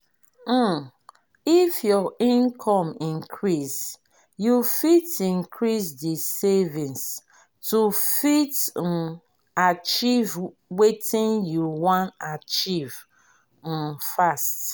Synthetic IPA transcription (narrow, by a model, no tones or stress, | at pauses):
ifjɔʔĩnkʰɔ̃mĩnkʰɹis | jufitĩnkʰɹisdisevĩns | tufit | at͡ʃiv | wetĩnjuwɔ̃nat͡ʃiv̥̩ | fast